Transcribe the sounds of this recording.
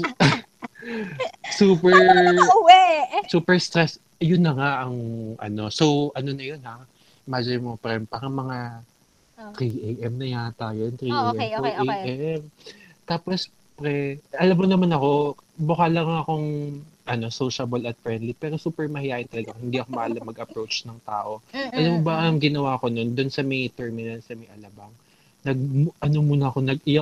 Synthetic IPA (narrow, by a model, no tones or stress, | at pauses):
suːpɛɹ | suːpɛɹst̪ɾɛs | jʊnːɐŋaʔɐŋʔɐ̰no̞so̞wʔɐno̞nɐjo̞nha | mad͡ʒɐɾɪmopɾɛmpɐɐŋmɐŋa | t̪ɾiʔejʔɛmnɐjat̪aːjont̪ɾiʔejʔɛmoʔejʔɛm | t̪aːpo̞s | pɾɛʔɐlɐmonɐmanɐko̞bʊkalɐŋɐko̞ŋʔɐno̞soːʃɐbɐlɐt̪fɹɛnd̪lipɛːɾo̞suːpɛɹmɐhɪjaːʔɪnt̪ɐlɐɡahɪnd̪iːɐkomɐʔaːlɐmɐɡɐpɾowt͡ʃnɐŋt̪aːʔo̞ʔɐlɐmobɐɐŋɡɪnɐwaːɐko̞no̞nd̪ʊnsɐmɛjt̪ɛɹmɪnɐnsɐmɐjʔɐlɐbɐŋ | nɐɡ̚ʔɐnomuːnɐːko̞nɐɡ̚ɪja